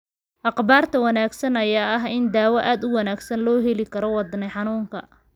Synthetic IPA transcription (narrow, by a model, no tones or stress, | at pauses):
ʔɑqbaːrt̪ʰɐwɑnaːɡsɐnɐjaːɐɦɪnd̪aːwɐʔaːd̪ʊwɑnaːɡsɐnlɔːɦɛlɪkʰɐɾɔwɑd̪nɛħɑnuːŋkʰɐ̰